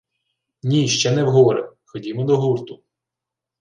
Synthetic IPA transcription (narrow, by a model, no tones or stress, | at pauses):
nʲiʃt͡ʃɛnɛwɦɔɔɾḛxɔdʲimɔd̪ɔɦurt̪ʊ